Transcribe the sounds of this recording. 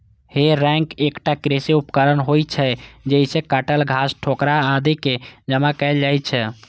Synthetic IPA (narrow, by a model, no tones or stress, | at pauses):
heɾɛ̃ŋkekʈakɾeseupkəɾənɦojt͡ʃʰɛd͡ʒɛisekəʈəlɡʱasʈʰokɾaːd̪iked͡ʒəmakəɪld͡ʒajt͡ʃʰɛ